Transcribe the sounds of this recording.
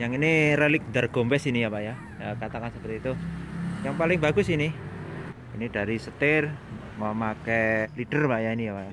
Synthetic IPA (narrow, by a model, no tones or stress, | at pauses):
jaŋinirelɪk̚nd̪ərɡ̥ombɛsinijapaʔja | əkat̪akansəpərt̪it̪ujaŋpalɪŋbaɡʊsinɪ | inid̥a̤ɾisət̪ɪr | məmakɛlidərbaʔjainijapaja